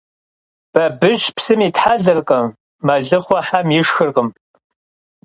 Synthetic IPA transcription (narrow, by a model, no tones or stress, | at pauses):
b̥ɐbɨʒpsɨmitʰħaɮɐrqʼɐmː | ɐɮɨχʷɔħamjɪʂxɨrqʼəm